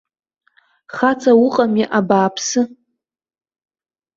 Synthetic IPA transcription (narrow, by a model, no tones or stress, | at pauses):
χat͡sʰʼawʊqʼamiʔabaːpʰsɨ